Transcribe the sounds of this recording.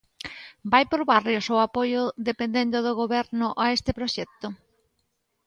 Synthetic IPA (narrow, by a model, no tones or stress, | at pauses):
bajpoɾβarjosoapojʊðepend̪end̪oðoɣ̞oβɛɾnʊʔaest̪epɾoʃɛk̚t̪ʊ